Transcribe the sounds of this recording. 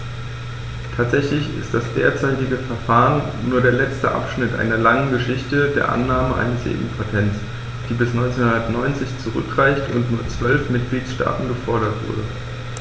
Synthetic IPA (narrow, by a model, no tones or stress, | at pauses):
tʰaːtz̥ɛçlɪçɪ̰std̥asd̥eːɐt͡saɪtɪɡəfɛɐfaːʁənːuːɐɾeːɐlɛt͡stə̰ʔa̰pʃnɪtʔa̰ɪnɐlaŋənɡəʃɪçtədeːɐʔa̰nːaːməʔa̰ɪnəsḛːʔuːpʰatʰɛnts | d̥iːbɪsnɔʏnt͡senhʊndɐtnɔʏnt͡sɪçt͡suʁʏ̰kʁ̥aɪçtʊntnuːɐt͡sv̥œlfmɪt̚ɡ̥liːtʃta̰ːtn̩ɡəfɔɐɾɐtv̥ʊ̰ɐdə